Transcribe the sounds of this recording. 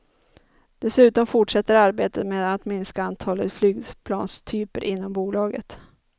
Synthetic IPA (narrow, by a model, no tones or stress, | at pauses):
d̪̥ɛsʉ̟ːt̪ɔmfʊʈʂɛt̪ːəɾaɾbeːt̪əmeːd̪at̪mɪnskaant̪ʰɑːlət̪flyːɡpʰlɑ̰ːnst̪ʰyːpəɾʔɪnːɔmbuːlɑːɡə̰t̪